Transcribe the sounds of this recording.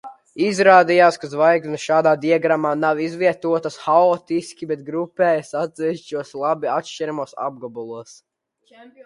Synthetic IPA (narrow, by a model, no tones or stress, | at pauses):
izɾaːd̪ijaːskazvajɡ̪ʲnuʃaːd̪aːd̪iɛɡɾamaːnawizviɛt̪uɔt̪asxaɔːt̪iskʲibɛt̪̚ɡɾupɛːjasat̪z̥ʲɛvʲiʃt͡ʃuɔslˠabiat̪ʃt͡ʃɛɾamuɔsa̰b̚ɡɔbulˠuɔs